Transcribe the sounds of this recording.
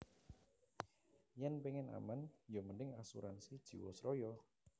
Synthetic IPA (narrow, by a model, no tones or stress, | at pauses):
jɛnpɛŋɛna̰manjɔmənɪŋasuɾansid̥ʒ̥i̤wɔsɾɔjɔ